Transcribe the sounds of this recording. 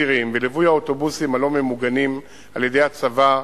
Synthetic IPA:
iʁimvelivujaoto̞busimalo̞me̞muɡanim | alje̞d̪e̞jhat͡sava

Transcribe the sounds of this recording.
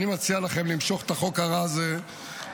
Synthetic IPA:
nimat͡sialaχe̞mlimʃo̞χe̥t̪aχo̞kaʁaːze

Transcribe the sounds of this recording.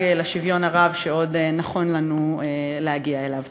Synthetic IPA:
elaʃivjo̞naʁavʃeo̞denaχo̞nlanue | lehaɡiae̞lav

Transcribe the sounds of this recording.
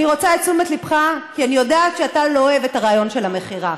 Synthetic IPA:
niʁo̞t͡saet͡sumet̪lipχakianijo̞daːt̪ʃeatalo̞evetaʁaːjo̞nʃe̞lame̞χiʁa

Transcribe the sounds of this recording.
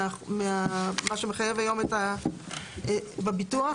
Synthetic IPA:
ameamaʃeme̞χajevhajo̞meta | babitua

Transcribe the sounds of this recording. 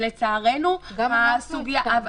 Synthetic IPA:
let͡saːʁenumasuɡja

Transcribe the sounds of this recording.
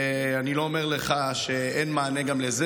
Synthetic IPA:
anilo̞omeʁleχa | ʃe | enmaːneɡamleze

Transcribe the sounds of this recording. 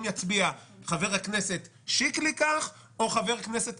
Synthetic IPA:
mjat͡sbiaχave̞ʁhakne̞se̞t̪ | ʃiklikaχ | o̞χave̞ʁhakne̞se̞t̪

